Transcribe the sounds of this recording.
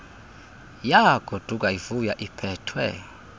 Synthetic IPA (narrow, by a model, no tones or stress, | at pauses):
jaɡ̥ʱod̥ʱuk̬ʼaivujaʔipʰɛːtʰwɛ̰